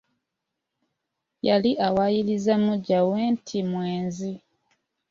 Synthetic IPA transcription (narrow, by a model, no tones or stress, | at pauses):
jaliʔawajilizamuɟaweːntʰimweːnzi